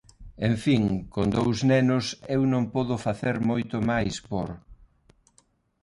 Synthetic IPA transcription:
eɱfiŋkond̪owznɛnʊsewnõŋpɔðʊfaθeɾmojt̪ʊmajspo̰ɾ

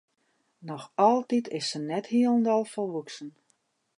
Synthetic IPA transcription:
nɔxɔlˠtitʰɪsːənɛthiəlˠəndɔlˠfɔlˠʋuksən

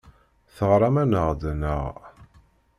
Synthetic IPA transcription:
θəʁɾˤɑmænəʁd̪nəʁ

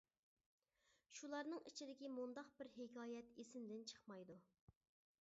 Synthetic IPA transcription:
ʃulˠɑɾnɨŋḭt͡ʃʰid̪ɪkʲimund̪ɑqbɪɾɦekʰʲɑːjɛt̪esɪnd̪ɪnt͡ʃʰə̥χmɑjd̪u

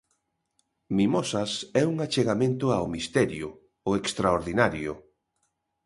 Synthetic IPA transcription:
mimɔsasɛuŋat͡ʃeɣamẽnt̪ʊaomist̪ɛɾjʊ̰ | oekst̪ɾaoɾðinaɾjʊ̰

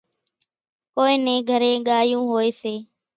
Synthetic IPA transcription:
koːẽːnẽːɡʱəɾẽːɠaːjũːɦoːeːseː

